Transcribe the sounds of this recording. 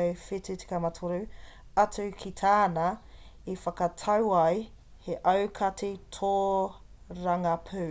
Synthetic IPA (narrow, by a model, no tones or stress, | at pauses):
wfityti̥kamɐtʰoɾu | ɐtʰʉkʰitʰaːnɐ | ifɐkɐtʰɐwɐj | heʔɐwkʰɐtʰitʰoː | ɾɐŋɐpʰʉ